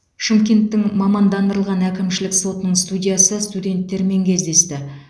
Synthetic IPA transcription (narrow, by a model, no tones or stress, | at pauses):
ʃimkʲe̞nt̪ːɪŋmɑmɑnd̪ɑnd̪əɾəlˠʁɑnækʲɪmʃɪlɪkso̞t̪ənəɴst̪udʲijasəst̪udʲe̞nt̪ːe̞ɾme̞ŋkʲʰe̞zd̪e̞st̪ɪ